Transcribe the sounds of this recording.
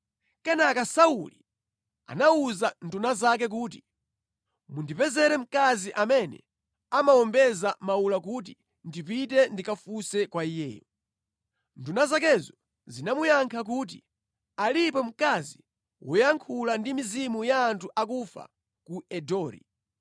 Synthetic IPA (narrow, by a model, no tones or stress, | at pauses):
kɛnakasaṵli | a̰nauzandunazak̬ɛk̬uːt̬i̥ | mundipɛzɛɾɛm̩kaziʔamɛnɛ̰ | amaɔmbɛzamaulak̬ut̬i | ndipitɛndikafusɛkwaijɛ̰ːu | ndunazakɛzɔ | zinamujaŋkʰak̬uːt̬i | alipɔm̩kazi | wujaŋkʰulandimizimujaːntʰuʔak̬ufa̰ | kuɛdɔːɾḭ